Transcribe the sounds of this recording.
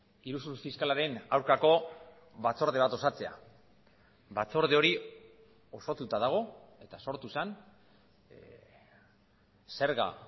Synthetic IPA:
iɾusuɾusfiskalaɾe̞nawɾkako̞ | βat͡so̞ɾð̞e̞β̞at̪o̞sat͡se̞a̰ | βat͡so̞ɾð̞eo̞ɾi | o̞so̞t̪ut̪að̞aɣ̞o̞e̞t̪aso̞ɾt̪usan | se̞ɾɣa̰

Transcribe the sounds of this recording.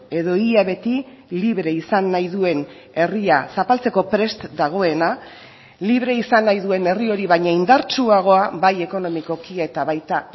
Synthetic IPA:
e̞ðo̞iaβe̞t̪i | liβɾe̞isanːajðue̞n | e̞riasapalt͡se̞ko̞pɾe̞st̪d̪aɣ̞o̞e̞na | liβɾe̞isanːajðue̞ne̞rio̞ɾiβajɲaind̪aɾt͡ʃuaɣ̞o̞abaje̞ko̞no̞miko̞kiae̞t̪aβajt̪a

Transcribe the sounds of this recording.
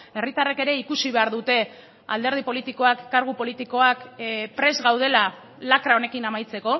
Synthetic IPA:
e̞rit̪areke̞ɾe̞ikusiβe̞aɾðut̪e̞ | a̰ld̪e̞ɾð̞ipo̞lit̪iko̞akːaɾɣ̞upo̞lit̪iko̞akpɾe̞zɣawð̞e̞la | lakɾao̞ne̞kinamajt͡se̞ko̞

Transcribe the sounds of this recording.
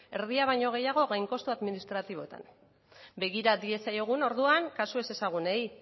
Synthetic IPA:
e̞ɾð̞iaβ̞ajɲo̞ɣ̞e̞jaɣ̞o̞ɣajŋko̞st̪uaðminist̪ɾat̪iβ̞o̞t̪a̰n | be̞ɣ̞iɾad̪ie̞sajoɣ̞uno̞ɾðuaŋkasue̞se̞saɣ̞unej

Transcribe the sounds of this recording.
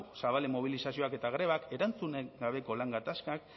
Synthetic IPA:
saβalemo̞β̞ilisasio̞ake̞t̪aɣ̞ɾe̞βake̞ɾant͡suneɡaβe̞ko̞laŋɡat̪askak

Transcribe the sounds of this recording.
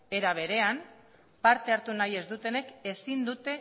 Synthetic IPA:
e̞ɾaβ̞e̞ɾe̞am | paɾt̪e̞aɾt̪unaje̞zd̪ut̪e̞ne̞ke̞sind̪ut̪e̞

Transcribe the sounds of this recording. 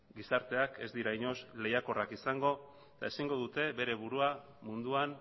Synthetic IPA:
ɡisaɾt̪e̞ake̞zd̪iɾaiɲo̞sle̞jako̞rakisaŋɡo̞ | t̪a̰esiŋɡo̞ðut̪e̞βe̞ɾe̞βuɾua | mund̪uan

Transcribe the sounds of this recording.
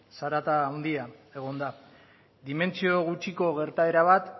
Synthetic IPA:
saɾat̪aːwnd̪iae̞ɣ̞o̞nd̪a | d̪ime̞nt͡sio̞ɣ̞ut͡ʃiko̞ɣ̞e̞ɾt̪ae̞ɾaβ̞at̪

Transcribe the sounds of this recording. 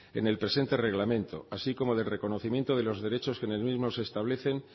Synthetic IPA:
e̞̰ne̞lpɾe̞se̞nt̪e̞re̞ɣlamẽ̞nt̪o̞̰asiko̞mo̞ðe̞lre̞ko̞no̞θimjent̪oð̞e̞lo̞zðe̞ɾe̞t͡ʃo̞skene̞lmizmo̞se̞ːst̪aβle̞θe̞n

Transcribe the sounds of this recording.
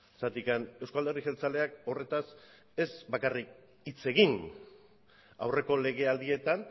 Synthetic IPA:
sat̪ikane̞wskald̪erixe̞lt͡sale̞ako̞re̞t̪as | e̞zbakarik̚ | it͡se̞ɣin | a̰wre̞ko̞le̞ɣ̞e̞ald̪ie̞t̪an

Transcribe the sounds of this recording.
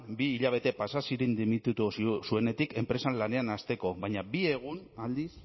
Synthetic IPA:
biːʎaβ̞e̞t̪e̞pasasiɾind̪imit̪ut̪ussue̞ne̞t̪ike̞mpɾe̞sanlane̞anast̪e̞ko̞βajɲabie̞ɣ̞unald̪is

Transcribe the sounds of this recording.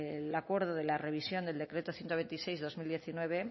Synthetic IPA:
lakwe̞ɾð̞oðelare̞β̞isjo̞nd̪e̞ld̪e̞kɾe̞t̪oθjent̪oβe̞nt̪isejzðo̞zmild̪je̞θinwe̞β̞e

